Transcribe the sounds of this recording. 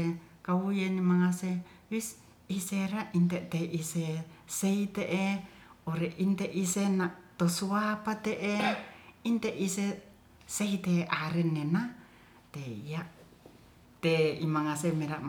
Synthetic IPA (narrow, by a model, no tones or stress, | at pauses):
kaujenimaŋase | wis | iseɾaint̪eʔt̪eʔiseseit̪eʔe | oɾeʔint̪eʔisenaʔt̪osuapat̪eʔeint̪eʔise | seit̪eʔaɾɛnːena | t̪eijaʔ | t̪eimaŋasemeɾaʔm